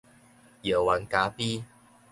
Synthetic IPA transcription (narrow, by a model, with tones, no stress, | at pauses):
jə˨˩wa˨˦nka˨˦pi˦